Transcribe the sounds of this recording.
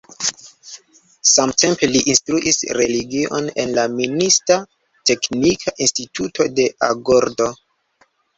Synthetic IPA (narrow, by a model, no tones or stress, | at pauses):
samtʰe̞mpe̞liʔinstɾuʔisɾe̞liɡiʔo̞̰ne̞̰nlaminista | te̞knikʰaʔinstitʰutʰo̞de̞ʔaɡoɾdo̞